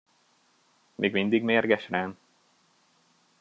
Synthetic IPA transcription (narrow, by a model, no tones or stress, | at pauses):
mʔḛːɡmind̪iɡmeːrɡɛʃraːn